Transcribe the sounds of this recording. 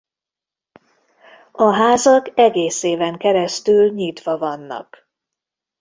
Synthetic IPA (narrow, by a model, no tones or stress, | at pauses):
ɒɦaːzɒkɛɡeːseːvɛŋkɛɾɛst̪ylɲit̪ʋɒvɒnːɒ̰k